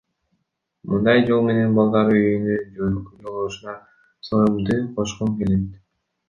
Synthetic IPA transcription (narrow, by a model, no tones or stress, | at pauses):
mɯnd̪ɑjd͡ʒo̞lˠme̞ne̞nbɑlˠd̪ɑɾɯyjynyd͡ʒøɡlykyd͡ʒolˠuʃunɑ | sojumd̪ɯqʰo̞ʃqumke̞le̞t̪